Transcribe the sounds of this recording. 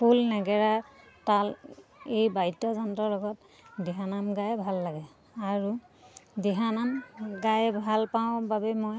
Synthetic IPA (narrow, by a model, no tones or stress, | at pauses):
pʰulnɛɡɛɹa | talejbaitːɔzɔntɔlɔɡɔt | diɦanamɡajbʱalːaɡɛ | aɹu | diɦanamɡajbʱalpaʊ̃babɛmɔj